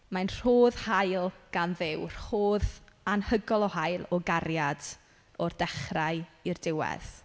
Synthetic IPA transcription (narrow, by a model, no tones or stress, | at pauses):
manr̥oːðhajlˠɡ̥anðɪwr̥hoːðanhəɡɔlˠɔhajlˠɔɡaɾjad | ɔrdɛχraɨirdɪwɛ̰θ